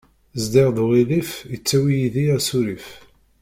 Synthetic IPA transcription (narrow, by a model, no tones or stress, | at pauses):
zd̪ɪʁðʁilifjət͡sːæwijiðiæsuɾif